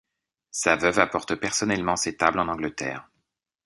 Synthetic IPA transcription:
savœvapɔʁt̪əpɛʁsɔnɛlmɑ̃set̪ablɑ̃nɑ̃ɡlət̪ɛ̰ːʁ

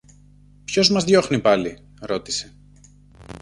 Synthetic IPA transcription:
pço̞zmɐzðʝo̞xnipɐli | ɾo̞t̪i̥se̞

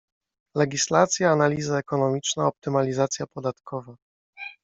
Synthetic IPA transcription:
lɛɡʲislat̪sʲjaːnalʲizaɛkɔnɔmʲit͡ʂnaɔp̚t̪ɘmalʲizat̪sʲjapɔd̪at̪kʰɔva

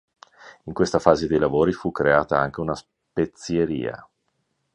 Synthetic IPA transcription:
iŋkwest̪afaːzed̪ejlavoːɾifukːɾeaːt̪aaŋk̟eunas | pet̪sjeɾḭːa̰

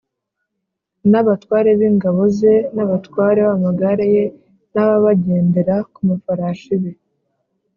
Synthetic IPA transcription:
naβatwaːɾe̞βiːŋɡaβo̞ze̞naβatwaːɾe̞βamaɡaɾaje̞ | naβaβaɟe̞ːnde̞ɾakumafaɾaːʃiβe

